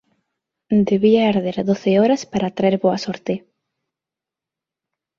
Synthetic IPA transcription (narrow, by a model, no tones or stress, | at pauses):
d̪eβiaeɾðeɾðoθeɔɾɐspaɾat̪ɾaeɾβoɐsoɾt̪e